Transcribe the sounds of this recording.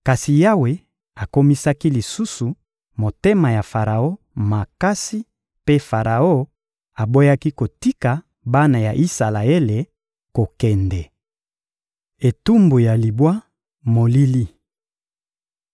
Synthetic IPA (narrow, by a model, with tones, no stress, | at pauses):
ka˨si˨ja˦we˨ | a˨ko˦mi˦sa˦ki˦li˨su˦su˨ | mo˨te˦ma˨ja˨fa˨ʁa˨o˦ | ma˨ka˦si˦ | pe˦fa˨ʁa˨o˦ | a˨bo˦ja˦ki˦ko˨ti˦ka˨ | ba˦na˨ja˨ʔi˦sa˨la˨e˦le˨ | ko˨kɛ˨ndɛ˨ | e˨tu˦mbu˨ja˨li˨bwa˦ | mo˨li˦li˦